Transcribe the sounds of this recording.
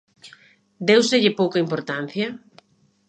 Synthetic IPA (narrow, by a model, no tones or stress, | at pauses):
d̪ewseʎɪpowkɐimpoɾt̪an̟θjɐ